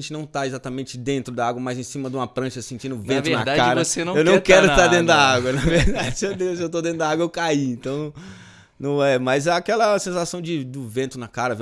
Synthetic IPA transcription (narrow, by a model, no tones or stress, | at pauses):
ẽt͡ʃɪnɐ̃w̃t̪aezat̪amẽnt͡ʃɪd̪ẽnt̪ɾʊd̪ɐaɡwɐmajzẽsĩmɐd̪ũmɐpɾɐ̃ʃɐsẽnt͡ʃĩd̪ʊvvẽnt̪ʊnad̪akkaɾɐsenɐ̃ewnɐ̃w̃kɛɾʊɪst̪aɾd̪ẽnʊd̪aaɡwɐnɐveɾd̪ad͡ʒɪed̪ewsewt̪̬od̪ẽnʊd̪aaɡwɐewkaiẽnt̪ɐ̃w̃ | nɐ̃w̃ɛmɐzɛakɛlɐsẽsasɐ̃w̃d͡ʒɪd̪ʊvẽnt̪ʊnakaɾɐv